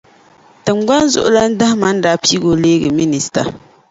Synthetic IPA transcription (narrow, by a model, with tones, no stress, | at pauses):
tɨ˨ŋɡ͡ba˦n˦zʊ̰˦ʔʊ˦la˦n̩˦da˦hɪ˦ma˦n̩˦daː˦pi˦ɡo˨leː˦ɡɨ˨mi˦ni˨sta̰˨